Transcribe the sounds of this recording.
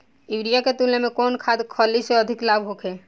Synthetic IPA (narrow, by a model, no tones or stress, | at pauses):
ɪʋɾijaket̪ulnemẽkɔːnkʰaːd̪kʰɔliseəd̪ʱɪklaːbʱɦoːkʰeː